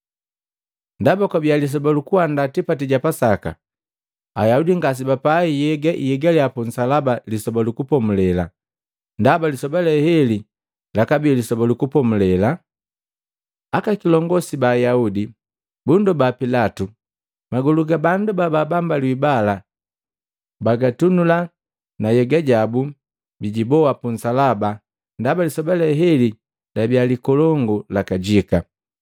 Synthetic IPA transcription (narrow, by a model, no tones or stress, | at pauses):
ndabakabialis̬ɔbalukuwandatipatiɟapasaka̰ | ajaudiŋɡas̬ibapaijɛɡaʔijɛɡaliapɔnsalabalisɔbalukupɔmulɛla | ndabalisɔbalɛhɛli | lakabilisɔbalukupɔmulɛla | akakilɔŋɡɔsibaːjaudi | bundɔbapilatu | maɡuluɡabandubababambalwibala | baɡatunula | najɛɡaɟabu | biɟibɔwapun̩salaba | ndabalisɔbalɛɦɛli | labjalikɔlɔŋɡulakaɟika